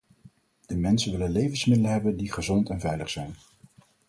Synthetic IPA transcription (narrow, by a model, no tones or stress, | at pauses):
d̥əmɛnsənʋɪlənlejvənsmɪdələɦɛbəndiχəzɔntɛnvɛjləχsɛjn